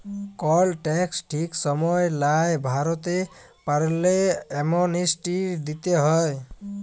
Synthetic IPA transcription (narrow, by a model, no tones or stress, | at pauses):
kɔlʈɛksʈʰiksɔmɔjlajbʱaɾɔt̪e | paɾleɛmɔnisʈid̪it̪eɦɔj